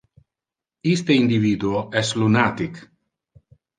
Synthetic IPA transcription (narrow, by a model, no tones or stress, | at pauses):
ist̪eind̪ivid̪uoɛslunat̪ik